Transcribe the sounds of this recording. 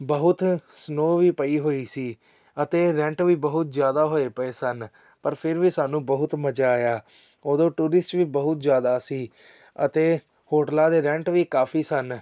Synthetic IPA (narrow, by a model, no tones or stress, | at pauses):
bəɦʊt̪snoːʋiːpəiːɦoːiːsiː | ət̪eːɾɛ̃ːɳʈʋiːbəɦʊt̪zjaːd̪aːɦoːeːpəeːsən | pəɾpʰɪɾʋiːsaːnũːbəɦʊt̪məd͡ʒaːjaː | oːd̪õːʈuːɾɪsʈʋiːbəɦʊt̪zjaːd̪aːsiː | ə̰t̪eː | hoːʈlaːd̪eːɾɛ̃ɳʈʋiːkaːpʰiːsən